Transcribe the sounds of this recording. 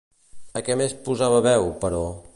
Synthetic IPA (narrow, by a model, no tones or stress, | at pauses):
əkɛmespuzaβəβɛwpəɾɔ